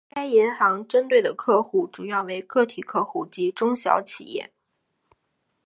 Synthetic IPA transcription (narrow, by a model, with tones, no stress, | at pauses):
ka˥ɪɛ˧˥nxɑ˧˥ŋʈ͡ʂə˥nt̪we˥˩ɪd̪ə˩kʰɤ˥˧xu˥˩ʈ͡ʂu˨˩jɑ˥˩ʊwe˧˥ɪkɤ˥˩t̪ʰi˨˩kʰɤ˥˧xu˥˩t͡ɕi˧˥ʈ͡ʂʊ˥ŋɕjɑ̰˧˥ʊt͡ɕʰḭ˨˩jɛ̰˥˩